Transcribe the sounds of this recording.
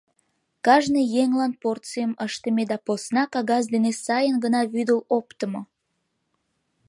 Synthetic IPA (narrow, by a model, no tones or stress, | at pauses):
kɑʒnəjeŋlɑnport̪t͡sɨjəməʃt̪əmed̪ɑposnɑkɑɣɑzd̪enesɑjənɡənɑβyd̪əlopt̪əmo